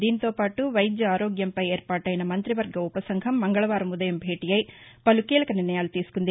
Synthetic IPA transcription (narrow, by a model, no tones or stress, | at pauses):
d̪iːnit̪oːpaːʈuʋɐjd͡ʒ̪jɐaːɾoːɡjɐmpɐjeːɾpaːʈɐːjɐnɐmɐnt̪ɾiʋɐɾɡɐupɐsɐŋɡʱɐmːɐŋɡɐɭɐʋaːɾɐmud̪ɐjɐmbʱeːʈijɐjpɐlukiːlɐkɐniɾnɐjaːlut̪iːsu̥kond̪e